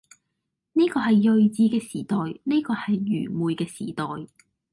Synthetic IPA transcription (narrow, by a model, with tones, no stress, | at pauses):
neː˥kɔː˧ɦɐ˨jːɵ˨˧ɥt͡siː˧kɛː˧siː˨˩t̪ɔː˨jne˥kɔː˧hɐ˨jːyː˨˩muː˨jkɛː˧sḭː˨˩t̪ɔː˨j